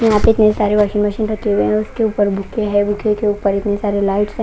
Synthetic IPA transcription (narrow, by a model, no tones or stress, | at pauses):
kiat̪eɪt̪nesaɾeʋəʃiːnməʃiːnʈət̪eʋeʊskeupəɾbʱʊkʰeɦɛbʱʊkʰekeupəɾɪt̪nesaɾelaɪʈs